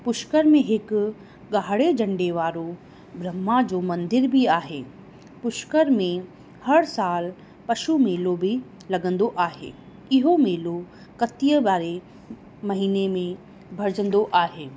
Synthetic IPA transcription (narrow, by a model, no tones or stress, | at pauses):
pʊʃkəɾmẽɦɪk | ɡaːɦɽed͡ʑɐ̃ɳɖeʋaːɾo | bɾɐmːad͡ʑoːmɐ̃nd̪ɪɾbʱiaːɦeː | pʊʃkəɾmẽ | hɐɽsaːl | pɐʃumeːlobʱi | lɐɡə̃nd̪oʔaːɦḛː | ɪɦomeːlo | kɐt̪ijəbaːɾe | mɐɦiːnemẽ | bʱɐɾd͡ʑə̃nd̪oʔaːɦeː